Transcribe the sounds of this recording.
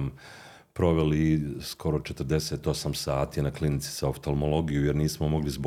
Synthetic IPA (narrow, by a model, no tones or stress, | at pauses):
m | pɾo̞ʋe̞liskʰo̞ɾo̞t͡ʃet̪r̩d̪e̞se̞ːt̪o̞samsaːt̪inaklinit̪si̥zaoft̪olmolˠo̞ɡijujeɾniːsmomo̞ɡlizb